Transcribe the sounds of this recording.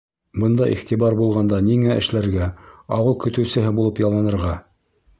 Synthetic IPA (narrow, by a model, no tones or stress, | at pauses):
bɤ̆nd̪ɑʔḭχt̪ibɑɾbulˠʁɑnd̪ɑniŋæʔɘ̆ʃlæɾɡæɑwɤlˠkɵ̆t̪ɵ̆wsɘ̆ɦɘbulˠɤpjɑlˠːɑnɤ̆ɾʁɑ